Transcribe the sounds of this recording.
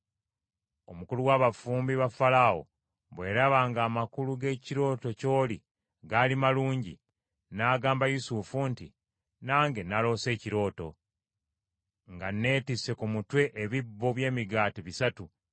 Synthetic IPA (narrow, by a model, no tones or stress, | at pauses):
o̞mukuluwaːβafuːmbiβafalao̞̰ | βwe̞ːɾaβaːŋɡaːmakuluɡe̞ːciɾo̞ːto̞co̞ːli | ɡalimaluːɲɟḭ | naːɡaːmbajusufuntḭ | naːŋɡe̞nalo̞ːse̞ːciɾo̞ːto | ŋɡanːe̞ːtise̞kumutwe̞ʔeβibːo̞βje̞ːmiɡaːtiβisatu